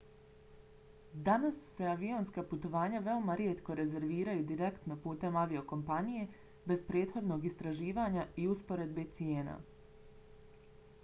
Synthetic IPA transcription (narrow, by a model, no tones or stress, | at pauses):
d̪anasːe̞aʋio̞nskaput̪o̞ʋaːɲaʋe̞o̞maɾjet̪ko̞ɾe̞ze̞ɾʋiːɾajud̪iɾe̞kt̪no̞puːt̪e̞maʋio̞ko̞mpanije̞ | be̞zpɾe̞ːt̪xo̞d̪no̞ɡist̪ɾaʒiːʋaːɲaiuspo̞ɾe̞d̪be̞t̪sije̞ːna̰